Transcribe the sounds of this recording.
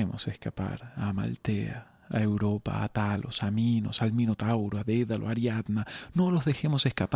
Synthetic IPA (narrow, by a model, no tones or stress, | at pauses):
emoseskapa̰ɾama̰lt̪ea | a̰ewɾopa̰ːt̪alʔo̞̰samino̞salminot̪awɾoaðeðaloaɾjat̪nanolozðexemoseskap